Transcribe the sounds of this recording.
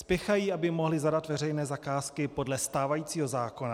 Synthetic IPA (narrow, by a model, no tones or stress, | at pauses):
spjɛxajiːʔabɪmo̞ɦlɪzadat̪vɛrɛjnɛːzakaːskɪpo̞dlɛst̪aːvajiːt͡siːɦo̞zaːko̞na